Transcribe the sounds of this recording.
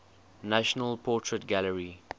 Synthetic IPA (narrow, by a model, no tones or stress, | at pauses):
naʃənəlpʰɔˑtʰɹətɡaləɹi